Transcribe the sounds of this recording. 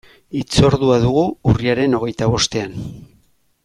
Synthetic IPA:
it͡so̞ɾðuaðuɣ̞uuriaɾe̞no̞ɣ̞e̞jt̪aβ̞o̞st̪e̞an

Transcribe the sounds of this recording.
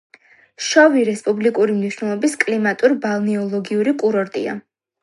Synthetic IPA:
ʃɔviɾɛspʼublikʼuɾimniʃnɛlˠɔbiskʼlimat̪ʼuɾbalˠniɔlˠɔɡiuɾikʼuɾɔɾt̪ʼia̰

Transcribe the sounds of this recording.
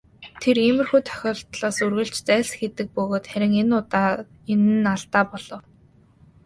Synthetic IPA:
t̪ʰeremɘ̆rxujt̪ʰœ̥xʲɔːɬt̪ɮaːsurɣɘ̆ɬt͡ɕt͡sæːɮxet̪ɘ̆k̚pɵɣoːt̪xæɾʲɪ̆ŋenʊt̪aː | enɘ̆naɮt̪aːpɔɮ̥ɞ̆w

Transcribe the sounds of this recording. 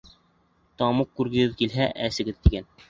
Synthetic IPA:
t̪ɑmuqkːʉɾɡɘ̆ɡɘðkilɦæʔæsɘ̆ɡɘðt̪iɡæn

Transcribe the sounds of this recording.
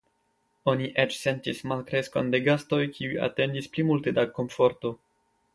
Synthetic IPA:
o̞niʔet͡ʃse̞ntismalkɾe̞skonde̞ɡasto̞jkʰiuja̰te̞ndisplimulte̞dako̞mfo̞ɾto̞

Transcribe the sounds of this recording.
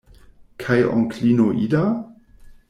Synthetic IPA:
kʰajʔɔ̰ŋkʰlinoʔida

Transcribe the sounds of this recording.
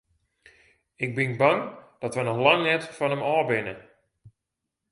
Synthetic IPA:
ɪɡ̚bɪnbaŋd̥ɔtʋənɔxlaŋnɛtfɔnəmɔːbɪnə

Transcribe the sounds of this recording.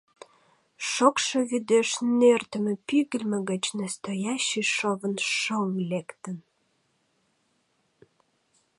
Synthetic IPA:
ʃokʃəβyd̪eʃnert̪əmə̆pyɣəlʲməɣət͡ɕnæst̪ojaɕːiʃovənʃoŋlekt̪ən

